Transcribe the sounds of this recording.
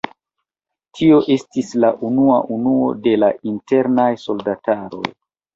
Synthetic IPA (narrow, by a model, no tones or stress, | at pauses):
tʰio̞ʔe̞stislaʔunuaʔunuo̞̰de̞laʔinte̞ɾnajso̞ldataɾo̞̰j